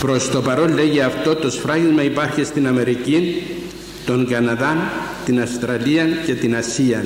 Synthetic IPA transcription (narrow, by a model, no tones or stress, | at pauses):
pɾo̞st̪o̞pɐɾo̞lːe̞ʝiɐft̪o̞t̪o̞sfɾɐɣizmɐipɐɾçist̪inɐme̞ɾicin | t̪o̞ŋɡɐnɐðɐnt̪inɐst̪ɾɐliɐnce̞t̪inɐsiɐ